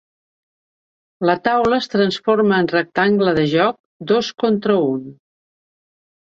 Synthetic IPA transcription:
lət̪awləːst̪ɾənsforməːnrək̚t̪aŋɡləðəʒɔk̚d̪oskont̪ɾəun

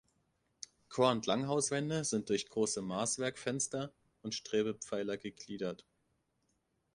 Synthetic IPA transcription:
kʰoːɐʊntlaŋɦaʊsv̥ɛndəzɪnt̚d̥ʊɐçɡ̥ʁoːsəmaːsv̥ɛɐkfɛnstɐ | ʊntʃtʁ̥eːbəp͡faɪlɐɡəɡliːdɐt

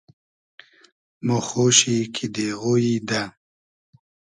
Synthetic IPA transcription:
moxoɕikʰid̪eɣojid̪a

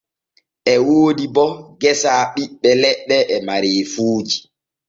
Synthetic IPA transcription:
ʔɛwoːdibɔɡɛsaːɓiɓːɛlɛɓːɛʔɛmaɾeːfuːd͡ʒi

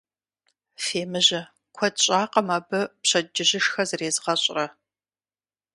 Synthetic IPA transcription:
feːmɨʑɐ | kʷʰɔdɕʼaːqɐmaːbɨpɕɐd͡ʒɪʑɪʃxɐzɨreːzʁɐɕʼrɐ

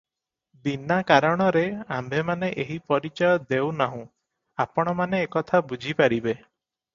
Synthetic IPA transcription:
binakaɾɔɽ̃ɔɾeambʱemaneʔeɦipɔɾit͡ʃɔjɔd̪ewnaɦũ | apɔɽ̃ɔmaneːkɔt̪ʰabud͡ʒʱipaɾibe

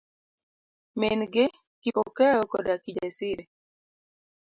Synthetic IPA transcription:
menɡe | kipɔkɛɾɔkɔdakid͡ʒasiɾe

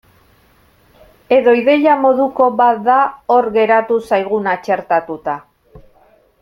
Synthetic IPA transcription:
e̞ðo̞iðe̞ʎamo̞ðuko̞βat̪̚d̪ao̞ɾɣe̞ɾat̪usajɣ̞unat͡ʃe̞ɾt̪at̪ut̪a

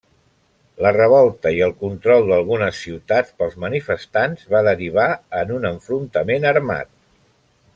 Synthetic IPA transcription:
lərəβ̞ɔlˠt̪əiəlˠkunt̪ɾɔlˠd̪əlˠɣunəsːiwt̪at͡spəlˠzmənifəst̪anzβaðəɾiβ̞aənunəɱfɾunt̪əmenəɾma̰t̪̚

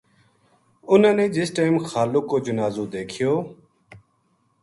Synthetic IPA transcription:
ʊnãːneːd͡ʒɪsʈaːmxaːlʊkːoːd͡ʒʊnaːzoːd̪eːkʰɪjoː

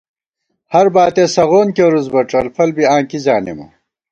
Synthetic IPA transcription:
hɐɾbaːt̪esɐɣoːnkeɾuzbɐʈ͡ʂɐlfʰɐlbiãːŋkizaːnḛmṵ

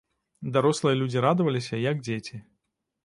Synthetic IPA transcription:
d̪aɾɔslˠɨjɐlʲud͡zʲiɾad̪ɨvɐlʲisʲɐjɐɡ̚d͡zʲet͡sʲi

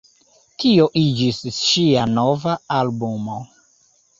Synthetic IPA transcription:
tʰio̞ʔid͡ʒisʃianovaalbumo

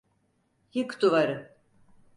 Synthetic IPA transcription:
hikd̪uvaɾɯ

